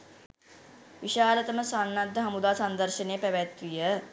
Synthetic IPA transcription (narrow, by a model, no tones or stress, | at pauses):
ʋiʃaːlət̪əməsanːad̪ʱːəɦamud̪aːsand̪əɾʃənejəpæʋæt̪ʋijə